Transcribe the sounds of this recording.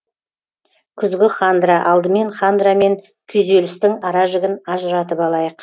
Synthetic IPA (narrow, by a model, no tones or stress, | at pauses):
kʲʰʏzɡʲɪχand̪ɾaʔɑlˠd̪əme̞ɴχand̪ɾame̞ŋ | kʲʰʏjzelɪst̪ɪŋɑɾɑʒɪɡʲɪnɑʒəɾɑt̪əpɑlˠɑjəq